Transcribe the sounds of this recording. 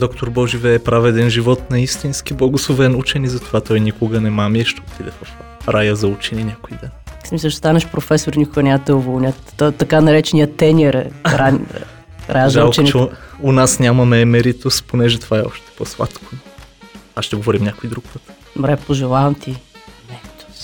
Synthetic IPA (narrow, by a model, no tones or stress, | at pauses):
d̪ɔkt̪oɾbɔʒivɛːpɾavɛd̪ɛnʒivɔt̪nɐist̪insk̟iblˠɐɡʊslˠovɛnut͡ʃɛnizɐt̪ovat̪ɔjnʲikoɡənɛmamiɛʃt̪ɛot̪id̪ɛfɐf | ɾajəzɐut͡ʃɛninʲjakoid̪ɛnsmislət͡ʃɛst̪anɐʃpɾofɛsʊɾinikʊɡənʲamət̪ɛovolˠnʲat̪ːɔt̪ɐkanɐɾɛt͡ʃɛnʲiət̪ɛnʲɛɾɛ̰ɾa | ɾajazkt͡ʃniɛʊnasnʲamɐmɛːmɛɾit̪osponɛʒɛt̪ovaɛɔ̰ʃt̪ɛ̥pɔslˠa̰t̪kʰo̥ | aʃt̪ɛɡovɔɾimnʲakoid̪ɾuk̚pət̪ | mɾɛpoʒɛlˠavɐmt̪iɛmɛɾit̪o̥s